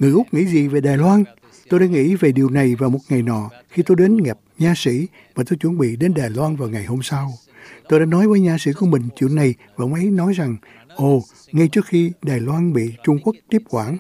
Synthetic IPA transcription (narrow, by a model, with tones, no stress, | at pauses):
ŋɨ˨˩əjʔʊ˦˥k͡p̚ŋḭ˧˥zi˨˩ve˨˩ɗaː˨˩jlwaː˧n | t̪o˧jɗaː˧˥ŋḭ˧˥ve˨˩ɗi˨˩əwna˨˩jvaː˨˩wmo˨˩t̚ŋa˨˩jnɔ̰˧˨ | xi˧t̪o˧jɗe˨˦nŋɛ˨˩p̚ɲaː˧sḭ˧˥ | vaː˨˩t̪o˧jt͡ɕwə˧˥˦nɓḭ˧˨ɗe˨˦nɗaː˨˩jlwaː˧nvaː˨˩wŋa˨˩jho˧msa˧w | t̪o˧jɗaː˧˥nɔ˨˦jvəː˨˦jɲaː˧sḭ˧˥ku˧əmï˨˩ŋ̟t͡ɕwḭ˧˨ənːa˨˩jva̰ː˧˥ŋ͡mʔə˨˦jnɔ˨˦jza˨˩ŋ | ʔo˨˧˩ | ŋa˧jt͡ɕɨ˦˥ək̚xi˧ɗaː˨˩jlwaː˧nɓḭ˧˨t͡ɕʊ˧ŋ͡mku˦˥ək̚t̪i˦˥p̚kwaː˧˩n